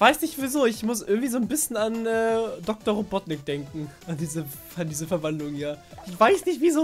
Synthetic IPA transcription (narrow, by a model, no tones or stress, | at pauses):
v̥aɪsnɪçtv̥izoːɪçmʊsʔɪ̰ɐɡŋ̩tv̥iːzoːnbɪsçən̩anɛːdɔk̚tɐʁobɔtnɪk̚d̥ɛŋkŋ̩ʔandiːzə | andiːzəfɛɐvandlʊŋjaːʔɪçv̥aɪsnɪçtv̥izoː